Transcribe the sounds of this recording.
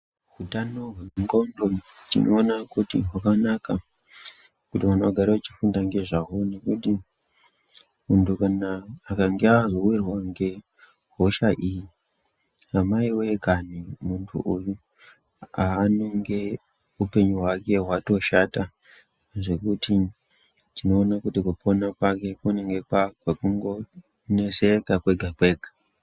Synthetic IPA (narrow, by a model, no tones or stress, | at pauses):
ɦutanoɦunŋɡondotino̰ːnakutiɦwakanaka | kutiwanaɡʱaɾaat͡ʃifundaŋɡe̞ʐaɦone̞kuti | muntʰukanaːkaŋɡeazo̞wirwaŋɡe̞ | ɦo̞ʃaʔiji | amaiwe̞kanimuntʰṵʔuju | aːno̞ŋɡe̞ | upe̞ɲuɦwake̞ɦwato̞ʃata | ʐe̞kutʰi | tino̞ːnakutikuponapake̞kuneŋɡe̞pakakuŋɡo̞ | ne̞se̞kakwe̞ɡʱakwe̞ːɡʱḁ